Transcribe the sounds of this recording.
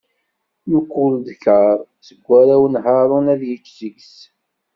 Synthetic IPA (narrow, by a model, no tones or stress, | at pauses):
nukːʊld̪kəɾˤsəɡʷːæɾæwnɦɑɾˤonæðjət͡ʃːzəɡs